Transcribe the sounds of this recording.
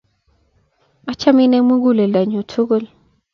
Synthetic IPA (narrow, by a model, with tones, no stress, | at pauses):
a˦t͡ʃa˦mi˦nɛ˦mu˦ɡu˦lɛ˨la˨ɲu˨tʰu˦ɡɔ˦l